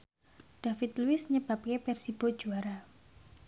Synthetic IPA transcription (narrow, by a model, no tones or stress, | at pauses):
ɖ̥afɪt̪luɪsɲəb̥a̤p̚kepɛrsib̥o̤d̥ʒ̥uaɾa